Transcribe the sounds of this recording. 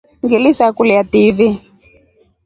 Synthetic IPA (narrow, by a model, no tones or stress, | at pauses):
ŋɡilisakulijativi